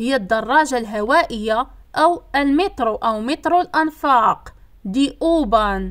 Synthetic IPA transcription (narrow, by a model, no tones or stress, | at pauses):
həjːæd̪ːɑrˤːɑʒalɦæwæʔəjːaʔæwəlmət̪ˤɾuʔəwmɪt̪ˤɾulʔɑnfɑq | d̪iʔubɑn